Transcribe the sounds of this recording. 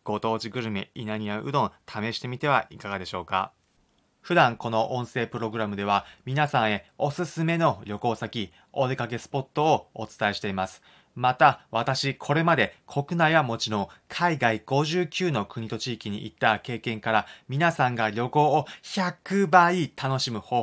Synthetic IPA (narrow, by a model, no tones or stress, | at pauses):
ɡ̥o̞t̪o̞ːʑiɡɯ̟ɾɯ̟mḛinaɲ̟iaʔɯ̟d̪õ̞nt̪ʰame̞ɕi̥t̪e̞mʲit̪e̞βaikaɡad̪e̞ɕo̞ːka̰ | ɸɯ̟d̪ãŋko̞noʔõɰ̃se̞ːpɯ̟ɾo̞ɡɯ̟ɾamɯ̟d̪e̞β̞amʲinasãɰ̃e̞o̞sɨsɨme̞no̞ɾʲo̞ko̞ːsakʲi | od̪e̞kake̞sɨ̥po̞t̪ːo̞ːt͡sɨ̥t̪aeɕi̥t̪e̞imasɨ̥ | mat̪aβat̪aɕikʰo̞ɾe̞mad̪e̞kʰo̞kɯ̟naiβamo̞t͡ɕiɾõkʰaiɡaiɡ̥o̞ʑɨːkʲɨːno̞kɯ̟ɲ̟it̪o̞t͡ɕiːkʲiɲ̟ḭʔḭt̪ːake̞ːkẽ̞ŋkaɾamʲinasãŋɡaɾʲo̞ko̞ːçakɯ̟baːit̪ʰano̞ɕimɯ̟hoː